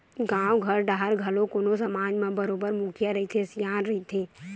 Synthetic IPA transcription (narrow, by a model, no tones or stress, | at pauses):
ɡãːwɡʱəɾɖaːɦəɾɡʱɐlõkoːnosəmaːd͡ʒmẽbəɾoːbəɾmukʰijaɾɐɦit̪ʰesijaːnɾɐɦit̪ʰe